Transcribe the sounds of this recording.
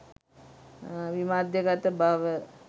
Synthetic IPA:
ʋimaːd̪jəɡat̪əbaːʋə

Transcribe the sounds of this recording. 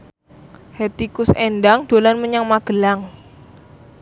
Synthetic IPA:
het̪ikʊsɛndaŋd̥olanməɲaŋmaɡ̥əlaŋ

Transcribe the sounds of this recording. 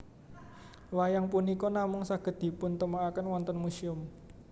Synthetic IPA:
wajaŋpunikɔnamʊŋsaɡ̥ə̤t̪̚d̪̥i̤pʊnt̪əmaakənwɔnt̪ɔnmusiʊm

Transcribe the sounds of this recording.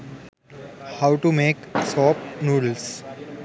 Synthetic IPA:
haʊʈumeːksɔːpnuːɖls

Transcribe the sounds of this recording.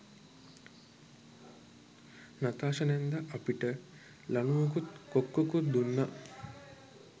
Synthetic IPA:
nat̪aːʃɐnend̪ɐʔɐpiʈə | lɐnuɐkut̪kokːokud̪unːa

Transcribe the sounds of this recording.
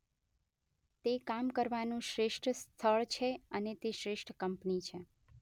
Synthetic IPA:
t̪ekamkəɾʋanũʃɾeʃʈʰst̪ʰəɭt͡ʃʰeənet̪eʃɾeʃʈʰkəmpnit͡ʃʰe

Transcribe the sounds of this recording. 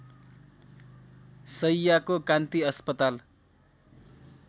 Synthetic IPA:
sʌjːakokant̪iʌspʌt̪al

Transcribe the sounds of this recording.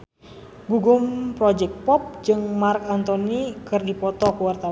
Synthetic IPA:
ɡuɡumpɾɔd͡ʒɛk̚t̪̚pɔp̚d͡ʒɨŋmarkant̪ɔnikɨrdipɔt̪ɔkuwart̪aw

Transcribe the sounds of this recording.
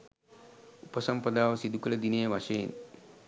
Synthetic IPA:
upəsampəd̪aːʋəsid̪ukələd̪inejəʋaʃɐjḛn

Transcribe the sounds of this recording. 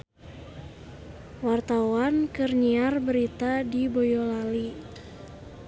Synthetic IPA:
wart̪awankərɲiarbəɾit̪adibojɔlali

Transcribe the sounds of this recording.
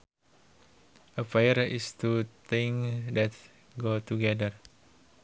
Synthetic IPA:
ʔəfajəɾist̪ut̪eŋdɛt̪ | ɡot̪uɡɛdər

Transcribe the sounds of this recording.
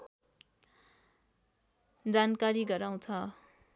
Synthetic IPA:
d͡zankaɾiɡʌɾaw̃t͡sʰʌ

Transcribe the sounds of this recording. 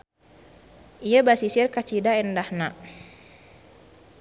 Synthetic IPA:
ijabasisɪrkat͡ʃidaɛndahnaʔ

